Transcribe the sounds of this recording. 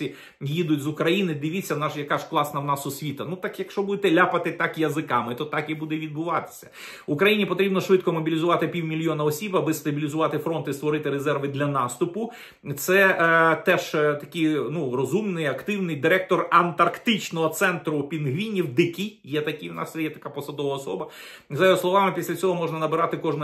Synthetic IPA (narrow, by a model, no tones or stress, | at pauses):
i | jid̪ʊtʲzʊkɾɐjinɪd̪ɪʋʲit͡sʲːɐwnɑʒjɐkɑʒ̥klˠɑsnɐwnɑsɔsʲʋʲit̪ɐnut̪ɑkjɐkʃt͡ʃɔbud̪et̪ɛlʲapɐt̪ɪt̪ɑkjɐzɪkɑmɪt̪ɔt̪ɑkibud̪ɛʋʲid̪̚bʊʋɑt̪ɪ̥sʲɐ̥ | ʊkɾɐjinʲipɔt̪ɾʲibnɔʃʋɪt̪kɔmɔbʲilʲizʊʋɑt̪ɪpʲiwmʲilʲjɔnɐɔsʲibɐbɪst̪ɐbʲilʲizʊʋɑt̪ɪfɾɔnt̪ist̪ʋɔɾɪt̪ɪɾezɛrʋɪd̪lʲɐnɑst̪ʊpʊ | t̪sɛt̪ɛʒt̪ɐkʲijnurɔzumnɪjɐkt̪ɪwnɪjd̪ɪɾɛk̚t̪ɔrɐnt̪ɐrkt̪ɪt͡ʃnɔɦɔt̪sɛnt̪ɾʊpʲinɦʋʲinʲːiwd̪ɪkʲijɛt̪ɐkʲiwnɑ̰ssɛjɛt̪ɐkapɔsɐd̪ɔʋɐɔsɔ̰bɐ | zɐjoɦɔslˠɔʋɑmɪpʲisʲlʲɐt͡sʲsʲɔɦɔmɔʒnɐnɐbɪɾɑt̪ɪkɔʒnɐ